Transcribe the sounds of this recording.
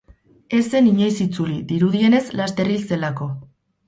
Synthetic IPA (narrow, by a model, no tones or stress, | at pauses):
e̞se̞niɲo̞jsit͡sulid̪iɾuðie̞ne̞slast̪e̞rilse̞lako̞